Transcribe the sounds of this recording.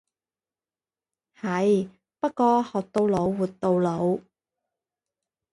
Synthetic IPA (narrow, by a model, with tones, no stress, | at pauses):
hɐ˨˧˥j | pɐ˥t̚kɔː˧hɔː˨k̚t̪o˧wlo˨˧wwuː˨t̚t̪o˧wlo˨˧w